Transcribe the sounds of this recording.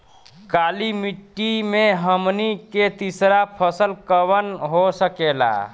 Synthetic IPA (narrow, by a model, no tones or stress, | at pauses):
kaːlimiʈːimẽɦəmniket̪isɾapʰəsəlkəwənɦosəkela̰ː